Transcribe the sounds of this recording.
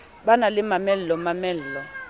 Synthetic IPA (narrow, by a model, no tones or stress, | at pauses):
ɓanalɪmamɛl̩lɔmamɛl̩ːlɔ